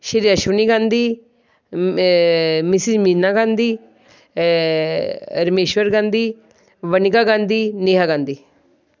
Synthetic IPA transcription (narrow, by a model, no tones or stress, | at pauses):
ʃəɾiːaʃuniːɡãːnd̪iː | mɪsɪmiːnaːɡãːnd̪iː | ɾmeːʃʋəɾɡãːnd̪iː | ʋənɪɡaːɡãːnd̪iːneːɦaːɡãːnd̪iː